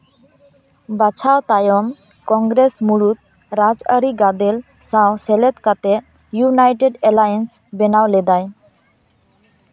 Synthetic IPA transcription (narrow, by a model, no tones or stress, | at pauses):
bat͡sʰawt̪ajɔm | kɔ̃ŋɡɾesmuɭut̪̚ | ɾad͡zəɾiɡad̪elsãwselet̪kat̪e | junajʈeɖelajənsbɛnawled̪aj